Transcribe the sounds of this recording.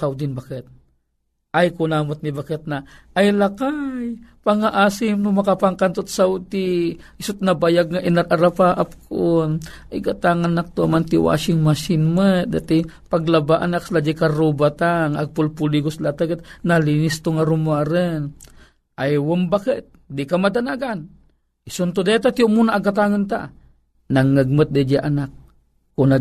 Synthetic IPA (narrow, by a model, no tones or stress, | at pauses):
sawd̪ɪnbakɛt̪̚ | ʔajkʊnamʊt̪̚nibakɛt̪̚na | ajlakajpaŋaʔaːsɪmnʊmɐkapaŋkant̪ot̪̚sawt̪iʔɪsʊt̪̚nabajaɡ̚ŋaʔɪnaɾʔaɾapaʔap̚kʰonʔiɡat̪aŋanak̚t̪oʔamant̪ɪwa̰ːʃɪŋmaʃɪnmat̪̚d̪a̰t̪ipaɡlabaʔanakslad͡ʒikaɾubat̪aŋaɡ̚pʊlpuliɡʊslat̪aɡət̪̚nalinɪst̪ʊŋaɾumuaɾən | ʔajwəmbakət̪̚d̪ikamad̪anaɡan | isont̪od̪et̪at̪iomunaːɡat̪̬aŋant̪a̰ʔ | naŋːəɡ̚mət̪̚d̪ed͡ʒaʔanak̚ː | una